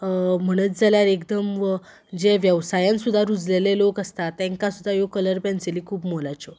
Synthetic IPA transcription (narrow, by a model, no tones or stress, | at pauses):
m̤əɽ̃ət͡s̪d͡zaljaɾekd̪əmʋə | d͡ʑeʋjəʋsajãnsud̪ʱaɾud͡zlelelokəst̪at̪ːɛ̃ŋkasud̪ʱːajokələɾpɛ̃nseliːkʰuːbmolat͡so